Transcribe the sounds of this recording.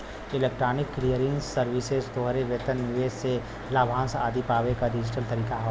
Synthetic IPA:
ɪleːk̚ʈɾaːnɪkːlijəɾiŋsəɾʋisezt̪oːɦɾeʋeːt̪ənnɪʋeːsse | laːbʱãːsaːd̪ipaːʋekaɖɪd͡ʒɪʈəlt̪ɐɾiːkaɦo

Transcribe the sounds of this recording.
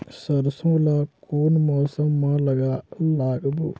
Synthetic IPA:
sɐɾɐsɐmlakʰuːnmɔːsɐmːaːlɐɡalaːɡɐbu

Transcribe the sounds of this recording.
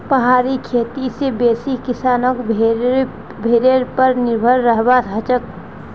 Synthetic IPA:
pəɦaːɾikʰeːt̪isebeːsikɪsaːnok | bʱeːɾeɾpəɾnɪɾbʱəɾːəɦbat̪ət͡ʃək

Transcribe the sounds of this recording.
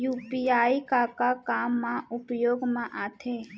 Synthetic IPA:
juːpiaːikakakaːmːãʊpjoːɡmãʔaːt̪ʰeː

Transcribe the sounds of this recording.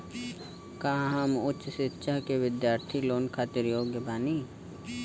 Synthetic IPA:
kãːɦamʊtːt͡ʃʃɪtːʃaɦkeʋɪd̪jaːɾt̪ʰiloːnkʰaːt̪ɪɾjoːɡjəbʱaːniː

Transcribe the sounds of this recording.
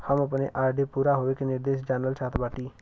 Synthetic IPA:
həməpneʔaːɾɖeːpuːɾaːɦoːʋekːnɪɾd̪eːʃd͡ʒaːnɾəlt͡ʃaːt̪baːʈiː

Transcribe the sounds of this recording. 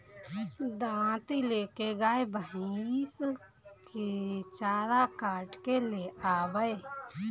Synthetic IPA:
d̪ãːt̪ileːkeɡaːebəɦis | ket͡ʃaːɾakaːʈkeleaːbəe

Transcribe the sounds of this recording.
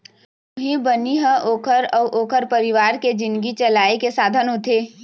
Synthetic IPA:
ʊɦĩbəniɦə̃ʔoːkʰəɾɔːʔoːkʰəɾpəɾɪʋaːɾked͡ʒɪ̃nɡit͡ʃɐlaːekesaːd̪ʱənɦʊt̪ʰe

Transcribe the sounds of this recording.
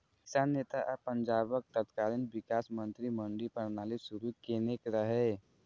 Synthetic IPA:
kɪ̥saːnːeːt̪aʔpə̃ɲd͡ʒaːbək̚t̪ət̪kaːɾənʋɪkaːsmə̃nt̪ɾimə̃ɳɖipəɾnaːlisʊɾukeːnekɾəɦɛː

